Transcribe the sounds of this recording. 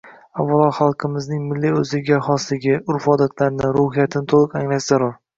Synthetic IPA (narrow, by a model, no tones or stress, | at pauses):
avːalˠɒχɑlˠqʰɨmɪznɪŋmɪlːiɵzɪɡʲaχɒslɪɡʲɪʊɾfɒd̪at̪ʰlaɾɪnɪɾohijat̪ʰɪnɪt̪ʰolˠɨqaŋlaʃzaɾʊɾ